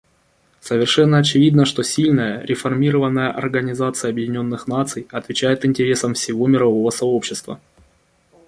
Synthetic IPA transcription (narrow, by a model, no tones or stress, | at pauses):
səvʲɪrʂɛnːəɐt͡ɕɪvʲid̪nəʂt̪o̞sʲilʲnəjəɾʲɪfɐrmʲiɾəvənːəjəʔɐrɡənʲɪzat̪sɨjəɐbjɪdʲɪnʲo̞nːɨxnat̪sɨjɐt̪vʲɪt͡ɕæjɪt̪ɪnʲtʲɪɾʲe̞səmfsʲɪvo̞mʲɪɾɐvo̞vəsɐo̞pɕːɪst̪və̰